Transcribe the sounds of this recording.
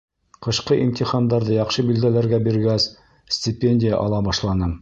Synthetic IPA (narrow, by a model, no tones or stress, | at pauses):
qɤ̆ɕqɤʔimt̪ʲiχɑnd̪ɑɾðɤjɑqʃɤbild̪ælæɾɡæbiɾɡæs | sʲtʲɪpʲenʲdʲɪja̰ʔɑlˠɑbɑʃlˠɑnɤm